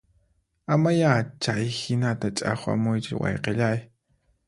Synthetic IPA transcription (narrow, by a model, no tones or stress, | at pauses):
amajat͡ʃajhɪnat̪at͡ʃʼa̰χa̰mʊjt͡ʃɪwɑ̰jqeʎaj